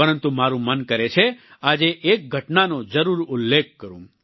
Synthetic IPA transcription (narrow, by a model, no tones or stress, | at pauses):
əɾənt̪umaɾũmənkəɾet͡ʃʰe | ad͡ʒeʔek̚ɡʱəʈnanod͡ʒəɾuɾʊlːekkəɾũ